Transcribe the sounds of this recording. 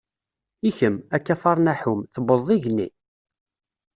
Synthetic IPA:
içəmækːafɑɾˤnæħumθəbəzˤːiʝni

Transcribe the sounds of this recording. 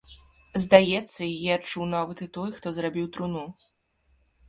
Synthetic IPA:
zd̪ajɛt̪sːɐijat͡ʂuwnavɐt̪ɨt̪ɔjxt̪ɔzɾabʲiwt̪ɾunu

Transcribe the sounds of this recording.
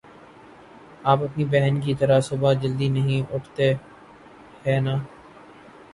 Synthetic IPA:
aːpɐpnibɛɦənkit̪ɐɾasʊbad͡ʒəld̪inɐɦĩʊʈʰt̪e | hɛːnaː

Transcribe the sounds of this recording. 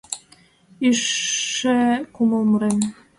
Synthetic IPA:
iʃːekuməlməɾen

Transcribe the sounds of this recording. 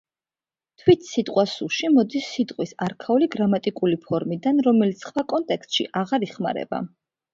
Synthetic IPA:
t̪ʰwit̪ʰsit̪ʼqʼwasuʃimɔd̪isːit̪ʼqʼwisaɾkʰauliɡɾamat̪ʼikʼulipʰɔɾmid̪anɾɔmɛlit̪sχwakʼɔnt̪ʼɛkst̪ʃḭʔaʁaɾiχma̰ɾɛ̰ba̰

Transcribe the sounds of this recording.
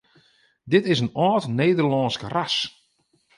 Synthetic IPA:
dɪtɪsənɔːtneːdərlɔːnskras

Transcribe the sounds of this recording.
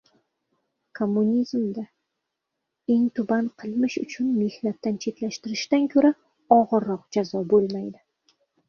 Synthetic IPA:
kʰomːunʲizmd̪a | e̞ŋt̪ʰʊbanqʰɨlˠmɪʃʊ̰t͡ʃʰʊnme̞hnat̪ːant͡ʃʰe̞t̪laʃt̪ɪɾɪʃt̪ankʲʰɵɾa | ɒʁɨɾːɒqd͡ʒazɒbolˠmajd̪ɪ

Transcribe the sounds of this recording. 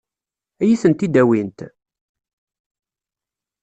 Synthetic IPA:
æjisənt̪id̪æwint̪

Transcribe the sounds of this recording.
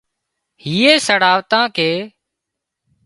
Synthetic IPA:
hiːeːsəɽaːʋt̪ãːkeː

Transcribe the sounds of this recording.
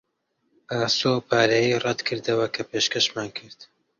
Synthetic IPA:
ʔaːsoːpʰaːɾɐjirɛd̪kʰɨɾd̪ɐwɐkʰɐpeːʃkɐʃmaːnkʰɨɾd̪̥

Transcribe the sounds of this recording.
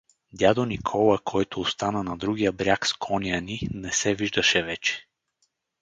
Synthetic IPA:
d̪ʲjad̪onikʰɔlˠəkʰɔjt̪oːst̪anənɐd̪ɾuɡijəbɾʲjakskʰɔnijəninɛsɛviʒd̪əʃɛvɛt͡ʃɛ̥

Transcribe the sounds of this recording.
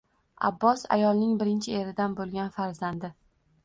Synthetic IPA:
a̰bːɒsa̰jɒlˠnɪŋbɪɾɪnt͡ʃʰɪeɾɪd̪anbolˠɡʲanfaɾzand̪ɪ

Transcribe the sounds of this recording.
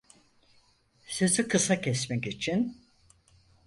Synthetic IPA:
søzykʰɯsacʰɛsmɛcit͡ʃʰin

